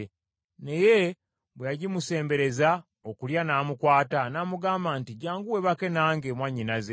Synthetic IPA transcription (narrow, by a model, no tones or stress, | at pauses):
ne̞je̞ | βwejaɟimuse̞ːmbe̞ɾe̞za | okuljanaːmukwaːtanaːmuɡaːmbaːntiɟaːŋɡuwe̞βake̞naːŋɡeːmwaɲːinaze̞